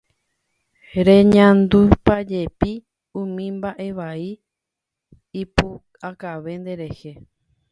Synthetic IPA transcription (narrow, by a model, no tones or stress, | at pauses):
ɾẽɲãnd̪upad͡ʒepi | ũmĩmbaʔe̞ʋai | pu | akaʋe̞nd̪e̞ɾe̞he